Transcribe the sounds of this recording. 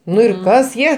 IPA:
ˈnʊ ɪr ˈkɐs ˈjiɛ

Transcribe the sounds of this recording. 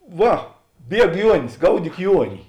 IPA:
ˈʋɐ ˈbʲiɛk ˈjuɔnʲɪs ˈɡɐʊdʲiːk ˈjuɔnʲɪ

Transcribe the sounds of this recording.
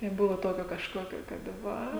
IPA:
nʲɛˈbʊʋoː ˈtoːkʲoː kɐʃˈkoːkʲoː ˈkɐt ˈʋɐ

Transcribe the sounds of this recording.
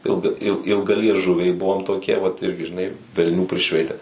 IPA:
ˈɪlˠɡɐ ɪlˠ ɪlˠɡɐlʲiɛˈʒʊʋʲɛɪ ˈbʊʋoːm toːˈkʲiɛ ʋɐt ˈɪrʲɡʲɪ ʒʲɪˈnɐɪ ʋʲɛlʲˈnʲuː pʲrʲɪˈʃʲʋʲɛɪtʲɛ

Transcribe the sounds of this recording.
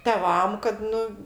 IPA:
tʲɛˈʋɐm kɐt ˈnʊ

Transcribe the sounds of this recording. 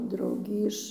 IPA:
ˈdrɐʊɡʲiː ɪʃ

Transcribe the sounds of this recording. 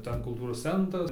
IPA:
ˈtʲɛn kʊlˠˈtuːroːs ˈt͡sʲɛntrɐs

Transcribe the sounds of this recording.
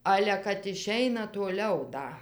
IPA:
ˈɑːlʲɛ kɐt ɪˈʃʲɛɪnɐ tuɔˈlʲɛʊ ˈdɐ

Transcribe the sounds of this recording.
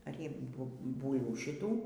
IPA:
ˈɐr ˈjɪ ˈbʊ ˈbuːlˠʋuː ʃʲɪˈtuː

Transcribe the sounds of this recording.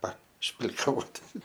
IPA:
pɐʃʲpʲlʲɪkɐˈʋoːtʲɪ

